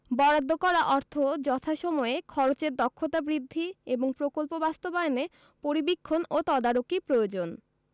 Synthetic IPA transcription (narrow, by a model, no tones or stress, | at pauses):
bɔɾad̪ʱːokɔɾaʔɔɾt̪ʰod͡ʑɔt̪ʰaʃɔmɔekʰɔɾot͡ɕeɾd̪ɔkʰːot̪abɾid̪ʱːieboŋpɾokolpobast̪obaene | poɾibikʰːonot̪ɔd̪aɾokipɾood͡ʑon